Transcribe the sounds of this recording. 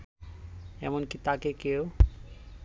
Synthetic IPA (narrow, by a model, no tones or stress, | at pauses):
ḛmonkit̪akekeo